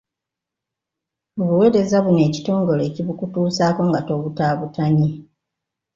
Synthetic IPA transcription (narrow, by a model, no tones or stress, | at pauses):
oβuwe̞ːɾe̞zaβune̞ːci̥to̞ːŋɡo̞le̞ːciβukutuːsaːko̞ŋɡato̞ːβutaːβutaɲi